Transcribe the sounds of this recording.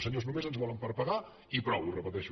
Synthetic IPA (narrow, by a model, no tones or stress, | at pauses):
səɲoznumezənzβɔləmpəɾpəɣa | ipɾɔwurəpət̪ɛʃu